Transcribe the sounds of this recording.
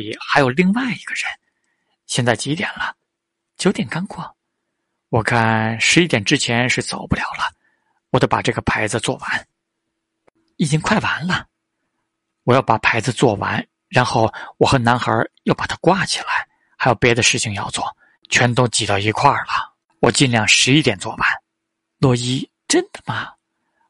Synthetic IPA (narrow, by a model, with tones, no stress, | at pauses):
i˨˩xa˧˥ɪjo˨˩ʊli˥˧ŋwa˥˩ɪi˧˥ɡ̥ə˧ɻə˧˥n | ɕjɛ˥˧nt͡sa˥˩ɪt͡ɕi˧˥t̪jɛ̰˨˩nlə˦ | t͡ɕjo˧˥ʊt̪jɛ˨˩nka˥ŋkʰwɔ˥˩ | wɔ˨˩kʰa˥˩nʂɻ̩˧˥i˥˩t̪jɛ˨˩nʈ͡ʂɻ̩˥t͡ɕʰjɛ˧˥nʂɻ̩˥˩t͡so˨˩ʊpu˥ljɑ˨˩ʊlə˦ | wɔ˨˩t̪o˥˩pa̰˨˩ʈ͡ʂɤ˥˩ɡə˩pʰa˧˥ɪd͡zɹ̩˧t͡swɔ̰˥˩wa˧˥n | i˨˩t͡ɕi˥ŋkʰwa˥˩ɪwa˧˥nlə˧ | wɔ˨˩jɑ˥˩ʊpa˨˩pʰa˧˥ɪd͡zɹ̩˧t͡swɔ˥˩wa̰˧˥n | ɻa˧˥nxo˥˩ʊwɔ˨˩xə˧˥na˧˥nxə̰˞˧˥jɑ˥˩ʊpa˨˩t̪ʰa˥kwa˥˩t͡ɕʰi̥˨˩la˧˥ɪ | xa˧˥jo˨˩pjɛ˧˥d̪ə˧ʂɻ̩˥˩t͡ɕʰi˨˩ŋjɑ˥˧ʊt͡swɔ˥˩ | t͡ɕʰɥɛ˧˥nt̪o˥ʊt͡ɕi˨˩t̪ɑ˥˩ʊi˧˥kʰwa˥˩lə˩ | wɔ˨˩t͡ɕi˥˧nljɑ˥˩ŋʂɻ̩˧˥i˥t̪jɛ˨˩nt͡swɔ̰˥˩wa˧˥˦n | lwɔ˥˧i˥ | ʈ͡ʂə˥nd̪̥ə˨mɐ˩